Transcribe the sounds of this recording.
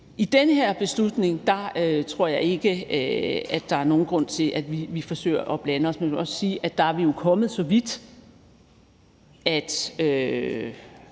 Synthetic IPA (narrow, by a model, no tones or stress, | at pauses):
ʔid̥enəheɐ̰b̥e̝slud̥ne̝ŋd̥ɑ̈øt͡sʰʁo̝ɐ̰jɑ̈ɪe̝ɡ̥ə | æd̥ːɑ̈æɐno̝ːn̩ɡ̥ʁɔ̽n̰t͡sʰe̝lʔæd̥ʋiʋifɒ̽sø̰ːɪɐʔɒ̽b̥lænəɒ̽smenkʰɒ̽ssiːʔæd̥ɑ̈æɐʋijo̝kʰɒ̽mð̞̩ˠsɒ̽ʋid̥ | æd̥ø